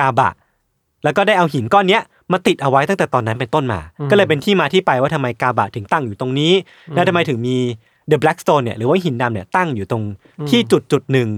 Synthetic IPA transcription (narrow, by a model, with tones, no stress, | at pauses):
kaː˧ba̰˨˩ʔ | lɛ˦˥wkɔː˥˩daː˥˩jʔa˧wɦi˩˦nkɔː˥˩nːi˦˥ɐʔ | maː˧t̪i˨˩t̪̚ʔa˧wa˦˥jt̪a˥˩ŋt̪ɛː˨˩t̪ɔː˧nːa˦˥npe˧nt̪o˥˩nma̰ː˧kɔː˥˩lɤː˧jp̬e˧nt̪ʰiː˥˩maː˧t̪ʰiː˥˩pa˧jwaː˥˩a˧ma˧jkaː˧ba˨˩t̪ʰɯ˨˩˦ŋt̪a˥˩ŋjuː˨˩t̪o˧ŋniː˦˥ | lɛ˦˥t̪ʰa˧ma˧jt̪ʰɯ˩˦ŋmiː˧ | dəː˧blɛ˦˥k̚st̪oː˧ni˧˩ɐʔɾɯː˩˦waː˥˩ɦi˩˦nda˧mni˧˩ɐt̪a˥˩ŋjuː˨˩t̪o˧ŋ | t̪ʰiː˥˩t͡ɕu˨˩t̪̚t͡ɕu˨˩t̪̚nɯ˨˩ŋ